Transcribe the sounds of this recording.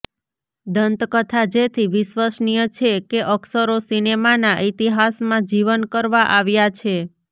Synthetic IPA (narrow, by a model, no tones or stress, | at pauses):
d̪ənt̪kət̪ʰad͡ʒet̪ʰiʋɪʃʋəsnijət͡ʃʰekeʔəksəɾosinemanaʔit̪iɦasmãd͡ʒiʋənkəɾʋãʔaʋjat͡ʃʰe